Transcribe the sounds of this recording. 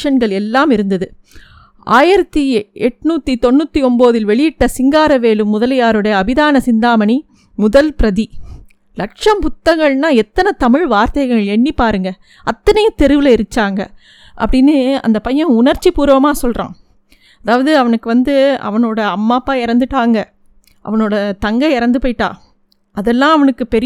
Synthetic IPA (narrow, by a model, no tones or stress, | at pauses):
ʂɐnɡɐɭɛlːaːmɪɾɯnd̪ɐðɯ | ʔa̰ːjɪɾɐt̪ːiɛʈːnuːt̪ːit̪ɔnːut̪ːiɔmboːðɪlʋɛɭɪjɪʈːɐsɪŋɡaːɾɐʋeːlɯmːʊðɐlɐjaːɾɯɽɐjɐːbɪðaːnɐsɪnd̪aːmɐni | mʊðɐlpɪɾɐði | lɐkʂɐmpʊt̪ːɐŋɡɐɭnaːɛt̪ːɐnɐt̪ɐmɪɻʋaːɾt̪ɐjɐɣɐŋɐɭɛɳːipaːɾɯŋɡɐ | ɐt̪ːɐnɐjɐt̪ɛɾɯʋɪlɐɪɾɯt͡ʃːaːŋɡɐ̰ | ʔɐ̰pːɐɽɪnːɯɐ̰nd̪ɐpɐjːɐ̃ʊnɐɾt͡ʃːipuːɾʋɐmaːsɔlrã̰ː | ɐðaːʋɐðɯɐʋɐnɯkːɯʋɐnd̪ɯɐ̰ʋɐnoːɽɐːmːaːpːaːɪɾɐnd̪ɯʈːaːŋɡɐ | ʔɐ̰ʋɐnoːɽɐt̪ɐŋɡɐɪɾɐnd̪ɯpoːɪʈːa̰ː | ɐðɛlːãːɐʋɐnɯkːɯpɛɾɪ